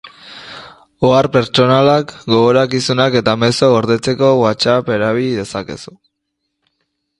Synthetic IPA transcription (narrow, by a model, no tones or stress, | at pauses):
oaɾpe̞ɾt͡ʃo̞nalakɡo̞ɣoɾakisunake̞t̪ame̞so̞oɾðe̞t͡se̞ko̞ɣwat͡sape̞ɾaβ̞iʎiðe̞sake̞̰su̥